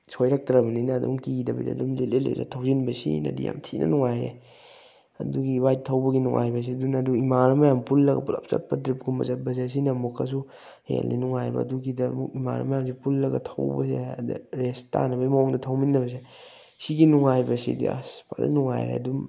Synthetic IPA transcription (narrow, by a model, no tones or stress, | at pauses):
sʰojɾɐk̚tɾɐbɐninɐːdṵŋkidɐbɐ̰dḭɐdumlelelḛzetʰawzinbɐsḭnɐ̰dḭja̰mtʰinʔɐ̰nuŋaje | ɐduɡiwajtʰːɐwbɐɡinuŋʔa̰jbɐs̬iɐdunɐduimaɾɐmɐjampulːɐɡɐ̰pulɐp̚sɐ̰t̚pɐtɾip̚ɡumɐ̰zɐt̚bɐs̬es̬inɐmukʰɐs̬u | hḛlnḭnuŋajbɐ̰ɐduɡidɐmuima̰ɾɐ̰mɐjams̬ipulːɐɡɐ̰tʰɐwbɐ̰sed̰ɾesta̰nɐbɐsimɐoŋdɐtʰawminːɐbɐs̬e | siɡinuŋajbɐsḭdḭa̰spadɐ̰nuŋa̰jɾḛɐ̰dum